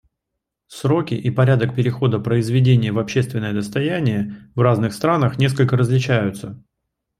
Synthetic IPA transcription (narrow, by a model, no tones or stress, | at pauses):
sɾo̞kʲɪʔipɐɾʲad̪ək̚pʲɪɾʲɪxo̞d̪əpɾəɪzvʲɪdʲenʲɪjəvɐpɕːe̞st̪vʲɪnːəjəd̪əst̪ɐjænʲɪjəvraznɨxst̪ɾanəxnʲe̞skəlʲkəɾəzlʲɪt͡ɕæjʊt̪sə